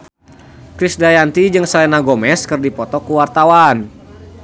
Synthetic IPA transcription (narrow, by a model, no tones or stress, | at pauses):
kɾisdajant̪id͡ʒɨŋsalɛnaɡɔmɛskɨrdipɔt̪ɔkuwart̪awan